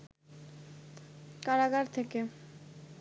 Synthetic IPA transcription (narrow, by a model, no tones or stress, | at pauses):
kaɾaɡaɾt̪ʰeke